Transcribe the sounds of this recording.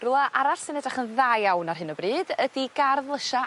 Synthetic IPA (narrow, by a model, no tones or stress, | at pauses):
rulˠaʔaɾarsɪnɛdraχənðajawnarɦɨnəbriːdədiɡarðlˠəʃa